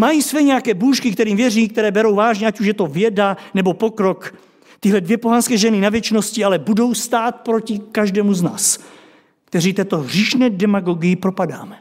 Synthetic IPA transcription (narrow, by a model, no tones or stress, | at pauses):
majisvɛːɲɛjakɛːbuːʃkɪkt̪ɛɾiːmvjɛriːk̚t̪ɛɾɛːbɛɾo̞wvaːʒɲɛʔacuʃjɛt̪o̞vjɛdanɛbo̞pokɾo̞k | t̪ɪɦlɛdvjɛpoɦanskɛːʒɛnɪnavjɛt͡ʃnoscɪalɛbudo̞wst̪aːt̪̚pɾo̞cɪkaʒdɛːmuzna̰ːs | k̚t̪ɛɾiːt̪ɛːt̪o̞ɦr̝̥iːʃnɛːdɛmaɡo̞ɡɪjɪpɾo̞padaːmɛ